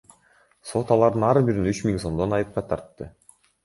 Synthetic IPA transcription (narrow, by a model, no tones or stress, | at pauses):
so̞t̪ɑlˠɑɾd̪ɯnɑɾbiɾinyt͡ʃmiŋso̞md̪o̞nɑjɯp̚qɑt̪ʰɑɾt̪ːɯ